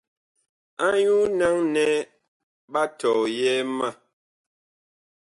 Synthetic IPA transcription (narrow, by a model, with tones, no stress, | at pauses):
a˦ɲu˦na˦ŋnɛ˦ | ba˦tɔː˨jɛ˦ma˦˨